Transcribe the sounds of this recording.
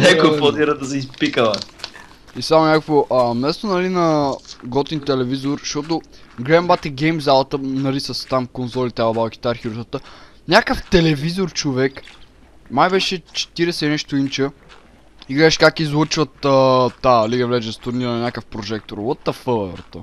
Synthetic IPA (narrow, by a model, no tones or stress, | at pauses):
nɛkoɛpɔd̪iɾəd̪ɐsɛispikəlɐ | isamonʲakəkvoʔəmnɛst̪onɐlinɐɡɔt̪int̪ɛlɛvizoɾʃt̪ɔt̪ʊɡɾɛmbat̪ɛɡɛjmzalˠət̪ənɐlisəst̪amkonzɔlit̪avɐbalˠk̟i̥t̪aɾxiɾusət̪ə | nʲakəft̪ɛlɛvizoɾt͡ʃovɛk | majbɛʃɛt͡ʃɛ̥t̪iɾɛsɛnɛʃt̪oint͡ʃə | iɡɾaʃkakizlˠət͡ʃvət̪ət̪aliɡəvlɛd͡ʒɛst̪uɾniɾənɐnʲakəfpɾoʒɛk̚t̪oɾlˠɔt̪ːɐfəlˠɛvɛ̰ɾt̪ə